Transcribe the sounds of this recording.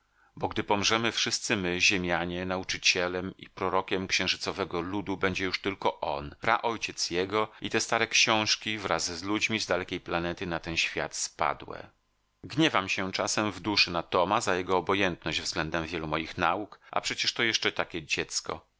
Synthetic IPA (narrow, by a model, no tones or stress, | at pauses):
bɔɡd̪ɘpɔmʐɛmɘfʂɘst̪sɘmɘʑemʲjaɲɛnaut͡ʂɘt͡ɕɛlɛmḭpɾɔɾɔkʲɛmkɕɛ̃w̃ʐɘt̪sɔvɛɡɔlud̪ubɛɲd͡ʑɛjuʂt̪ɘlkɔʔɔnpɾa̰ʔɔjt͡ɕɛt̪sjɛɡɔit̪ɛst̪aɾɛkɕɔ̃w̃ʂkʲivɾazzlud͡ʑmʲizd̪alɛkʲejplanɛt̪ɘnat̪ɛnɕfʲja̰t̪spa̰d̪wɛ̰ | ɡɲɛvamɕɛt͡ʂasɛmvd̪uʂɘnat̪ɔmazajɛɡɔːbɔjɛnt̪nɔʑd͡ʑvzɡlɛnd̪ɛmvʲjɛlumɔjixnaukʔa̰pʂɛt͡ɕɛʂt̪ɔjɛʂt͡ʂɛt̪akʲɛd͡ʑɛt̪skɔ̰